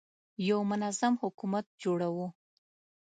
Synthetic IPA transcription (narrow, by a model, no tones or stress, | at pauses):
jawmʊnazamhʊkumat̪̚d͡ʒoɽawu